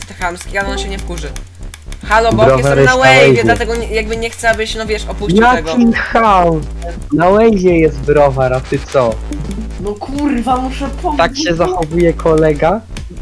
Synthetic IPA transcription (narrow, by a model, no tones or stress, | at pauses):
st̪ɛxamskʲialɛɔnɕɛɲɛfkuʐɘ | xalɔbɔbɾɔvaɾjɛnaswɛawɛjɛɛlat̪ɛɡɔɲjaɡ̚bɘɲɛxt̪sɛabɘɕɛnɔvʲjɛʂɔpujaɛkʲʰinxawnawɛjʑɛjɛst̪̚bɾɔvaɾat̪ɪt̪sɔ | nɔkʰurvamuʂɛt̪akɕɛzaxɔvujɛkʰɔlɛɡa